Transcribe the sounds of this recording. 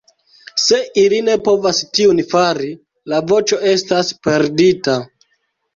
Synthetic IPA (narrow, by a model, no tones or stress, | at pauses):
se̞ʔiline̞po̞vastiunfaɾi | lavo̞t͡ʃo̞e̞staspe̞ɾdita